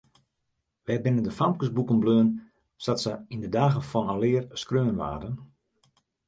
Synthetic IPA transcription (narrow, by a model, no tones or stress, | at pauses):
ʋɛjbɪnəndəfamkəsbukənbløːn | satsəindədaːɣəfɔnalɪərskrøːənʋa̰ːdən